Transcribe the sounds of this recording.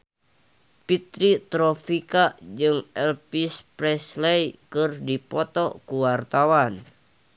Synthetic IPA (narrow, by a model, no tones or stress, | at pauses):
pit̪ɾit̪ɾɔfikad͡ʒɨŋɛlpispɾɛslɛjkɨrdipɔt̪ɔkuwart̪awan